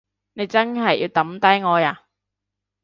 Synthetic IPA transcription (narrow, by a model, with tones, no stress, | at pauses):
ne˨˧jt͡sɐ˥nɦɐ˨jʔḭ˧wt̪ɐ˨˥mt̪ɐ˥jŋɔː˨˧jaː˨˧